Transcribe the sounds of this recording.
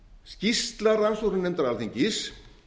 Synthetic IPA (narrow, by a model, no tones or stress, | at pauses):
scist̪laɾansoɾʏnːɛmt̪aɾalθiɲcɪs